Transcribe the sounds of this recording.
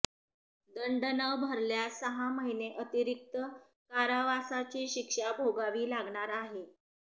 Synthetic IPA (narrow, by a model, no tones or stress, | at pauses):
d̪əɳɖənəbʱəɾljasəɦaməɦineʔət̪iɾik̚t̪ə | kaɾaʋasat͡ɕiːɕikʂabʱoɡaʋiːlaɡɳaɾaɦe